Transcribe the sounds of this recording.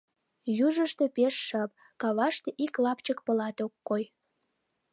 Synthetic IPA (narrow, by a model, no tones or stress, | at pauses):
juʒəʃt̪e̽peʃːɑp̚ | kɑβɑʃt̪eʔiklɑpt͡ɕəkpə̆lɑt̪okːoj